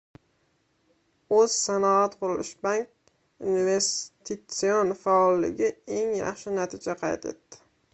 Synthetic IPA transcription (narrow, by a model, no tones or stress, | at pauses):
ɵz̥sanɒat̪qʰʊɾɪlɪʃbaŋk̚ʲ | unve̞st̪ʰɪt̪sɪonfaɒlːɪ̰ɡʲɪe̞ŋjɑ̰χʃɪnat̪ʰɪd͡ʒaqʰɑjt̪ʰḛt̪ːɪ̥